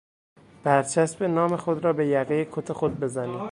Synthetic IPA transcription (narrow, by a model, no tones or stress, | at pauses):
b̥æɾt͡ʃʰæsbe̞nɒːmexo̞d̪ɾɒːbe̞jæɣeekʰot̪ʰe̞xod̪̚be̞zæniː